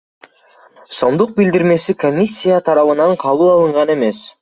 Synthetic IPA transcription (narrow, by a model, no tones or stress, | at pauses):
so̞nd̪uq̚bild̪iɾme̞siko̞mʲisʲːijat̪ʰɑɾɑβɯnɑɴqʰɑβɯlˠɑlˠɯɴʁɑne̞me̞s